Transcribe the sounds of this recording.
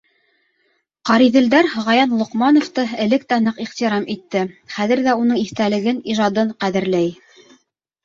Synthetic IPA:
qɑɾiðɘ̆ld̪æɾʁɑjɑnlˠŏqmɑnŏft̪ɤɘ̆lɘk̚t̪ænɤqiʁt̪iɾɑmit̪ːɘχæðɘ̆ɾðæunɤŋiθt̪ælɘ̆ɡɘniʒɑd̪ɤɴqæðɘ̆ɾlæj

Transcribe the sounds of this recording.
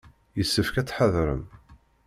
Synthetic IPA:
jəsːəfkæt͡sːħəðɾə̰m

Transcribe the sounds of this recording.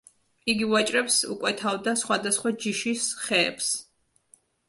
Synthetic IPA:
iɡivat͡ʃʼɾɛpsṵkʼwɛt̪ʰavd̪asχwad̪asχwad͡ʒiʃisχɛːps

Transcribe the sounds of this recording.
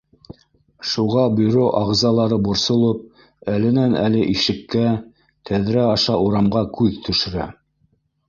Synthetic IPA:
ʃuʁɑbyɾoʔɑʁzɑlˠɑɾɤbŏɾsŏlˠɤp̚ | ælɘ̆nænælɘʔiʃɘ̆kːæ | t̪ʰæðɾæɑʃɑuɾɑmʁɑkʉðt̪ʰɵ̆ʃɘ̆ɾæ

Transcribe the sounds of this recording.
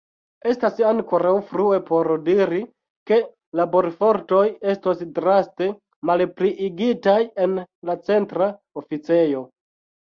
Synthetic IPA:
e̞stasaŋko̞ɾawfɾue̞po̞ɾdiɾi | ke̞ | labo̞ɾfo̞ɾto̞je̞stosdɾaste̞ | malpɾiʔiɡitaje̞nlat͡se̞ntɾa | ofit͡se̞jo̞

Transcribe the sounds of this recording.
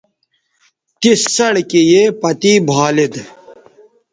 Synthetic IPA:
t̪isːɐɽkejepɐt̪iːbʱaːlid̪

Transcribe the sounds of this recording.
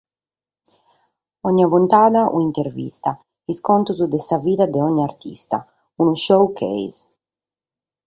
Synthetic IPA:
ɔɲːavunt̪aːðaʔṵint̪eɾvḭst̪a | iskɔnt̪uzud̪ɛsaviːðad̪ɛɔɲːaɾt̪ʰḭst̪a̰ | unuʃowkʰɛ̰js

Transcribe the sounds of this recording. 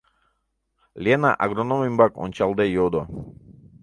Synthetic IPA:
ljɛna̰ʔa̰ɡɾɔnɔmimbakɔ̰nt͡ʃalˠd̪ɛjɔd̪ɔ

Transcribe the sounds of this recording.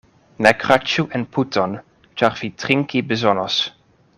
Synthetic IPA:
nakʁat͡ʃuʔɛnpʰutɔn | t͡ʃaʁv̥itʁɪŋkibəzɔnəs

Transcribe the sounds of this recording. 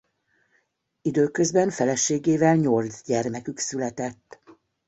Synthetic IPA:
id̪øːkø̞zbɛɱfɛlɛʃeːɡeːvɛlɲold̪zɟɛrmɛkyksylɛt̪ɛt̪ː

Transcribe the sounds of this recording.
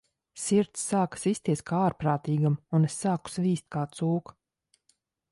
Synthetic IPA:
siɾt̪sːaːkḁsist̪iɛskʰaːaːɾpɾaːt̪iːɡamunesːaːku̥sviːst̪̚kaːt̪suːk

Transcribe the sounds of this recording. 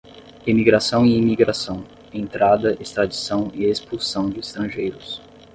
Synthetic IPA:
imiɡɾasɐ̃w̃iimiɡɾasɐ̃w̃ | ẽnt̪ɾad̪ɐʔest̪ɾad͡ʒisɐ̃w̃ɪespulsɐ̃w̃d͡ʒɪist̪ɾɐ̃ʒejɾʊs

